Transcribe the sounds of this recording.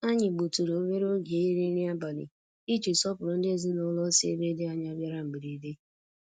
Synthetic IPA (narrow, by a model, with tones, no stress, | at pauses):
a˦ɲɪ˨ɡ͡bu˨tu˨ɾo˨o˦be˦ɾo˦ɡe˨˦i˦ɾi˦ɾi˦a˦ba˨lḭ˨ | i˦t͡ʃi˨sɔ˦pʊ˨ɾʊ˨n̩˦dɪ˦e˦zi˦nʊ˦lɔ˦sḛ˦ɾe˦de˦a˨ɲa˦bja˦ɾa˦m̩˨ɡ͡bi˨ɾi˨˦de˦